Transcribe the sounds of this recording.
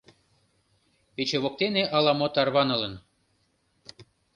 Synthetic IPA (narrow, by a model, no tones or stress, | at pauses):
pet͡ɕeβok̚t̪eneʔɑlɑmot̪ɑrβɑnɤ̆lə̆n